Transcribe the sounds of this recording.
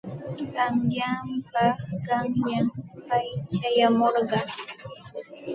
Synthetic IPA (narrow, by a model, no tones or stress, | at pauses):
taŋjampaɢɑmjampajt͡ʃajamoɾɢɑŋ